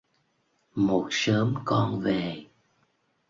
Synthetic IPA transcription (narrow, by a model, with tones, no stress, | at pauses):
mo˨˩t̚səː˨˦mkɔ˧nve˨˩